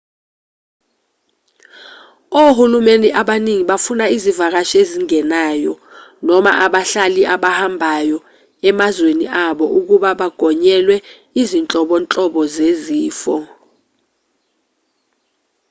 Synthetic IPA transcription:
ohulumeniʔaɓaniŋiɓafunaizivak̬aʃeziŋɛnajɔ | nɔma̰ʔaɓaɬaliʔaɓahambʱajɔ | ɛmazwenḭʔaɓɔʔuk̬uɓaɓaɡ̥ʱɔɲɛlwɛ | izint͡ɬʼɔɓɔnt͡ɬʼɔɓɔzeziːfɔ

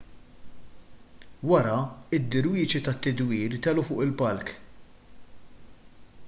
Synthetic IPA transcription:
wɐɾɐɪd̪ːɪɾwiːt͡ʃit̪ɐt̪ːɪd̪wiːɾt̪ɛlufʊ̰ːʔɪlpɐlk

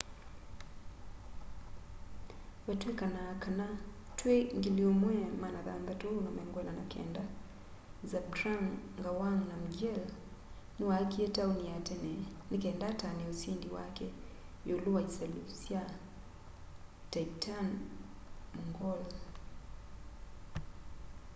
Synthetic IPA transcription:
watwekanakana | tweŋɡiliomwɛmanaða̰nd̪atonamɛŋɡwɛlana̰kʰɛ̰nda | zab̚tɾaŋ | ɡawaŋnam̩ɡɛl | niwakietauniatɛnnikɛndatanɛusindiwa̰kɛ | joluwaisalusja | taitʰan | muŋɡɔl

